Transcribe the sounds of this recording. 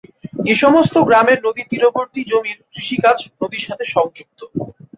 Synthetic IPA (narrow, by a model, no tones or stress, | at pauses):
eʃɔmost̪oɡɾameɾnod̪it̪iɾoboɾt̪id͡ʑomiɾkɾiʃikat͡ɕnod̪iɾʃat̪ʰeʃɔŋd͡ʑuk̚t̪o